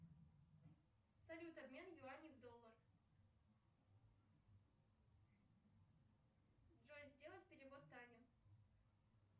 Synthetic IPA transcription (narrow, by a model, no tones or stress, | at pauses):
sɐlʲut̪ɐbmʲe̞njʊanʲɪvd̪olˠːər | dʐojzʲdʲelˠət̪ʲpʲɪɾʲɪvo̞t̪ːajlʲɪ